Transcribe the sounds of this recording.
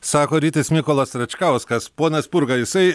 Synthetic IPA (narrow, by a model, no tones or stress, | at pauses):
sɑːkoːɾʲiːt̪ʲɐsmʲɪkoːlˠɐsɾɐt͡ʃʲkɐˑʊskɐspoːnɐspʊɾɡɐjɪsɐɪ